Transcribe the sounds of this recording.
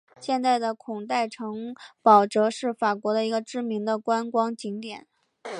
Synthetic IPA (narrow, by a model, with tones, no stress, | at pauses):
ɕjɛ˥˧nt͡s̪a˥˩ɪd̪ə˩kʰʊ˨˩ŋt̪a˥˩ɪʈ͡ʂʰɤ˧˥ŋpɑ˨˩ʊʈ͡ʂɤ˧˥ʂɻ̩˥˩fa˨˩kwɔ˧˥d̪ə˧i˧˥ɡə˧ʈ͡ʂɻ̩˥mi˧˥ŋd̪ə˧kwa˥nkwɑ˥ŋt͡ɕi˧˥ŋt̪jɛ̰˨˩˦n